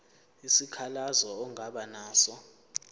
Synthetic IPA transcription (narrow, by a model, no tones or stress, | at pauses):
isikʰalazɔɔŋaɓanaːsɔ